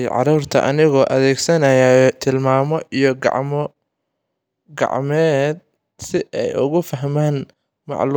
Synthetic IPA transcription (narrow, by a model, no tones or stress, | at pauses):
ʕɑ̰ɾuːrt̪ʰɐ̰ʔɐnɪɣɔːʔɐðɛːɡsɐnɐjajt̪ʰɪlmaːmɔʔijɔɡɑ̰ʕmɔ | ɡɑ̰ʕmɛːd̪̚ | sɪɛjʊ̰ɣʊfɐɦmaːn | mɑ̰ʕl